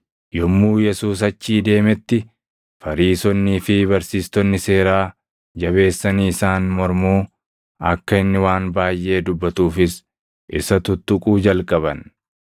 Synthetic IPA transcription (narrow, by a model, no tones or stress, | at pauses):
jɔmːuːjɛsuːs̬ɐt͡ʃːiːd̪e̞ːmɛt̪ːɪ | fɐɾiːsɔnːiːfɪbɐɾsiːst̪ɔnːɪse̞ːɾaː | d͡ʒɐβe̞ːsːɐniːɪsaːnmɔɾmuː | ɐkːɐɪnːɪwaːnbaːjʔe̞ːd̪ʊbːɐt̪uːfɪs | ʔɪsɐt̪ʊt̪ːʊkʼuːd͡ʒɐlkʼɐβɐn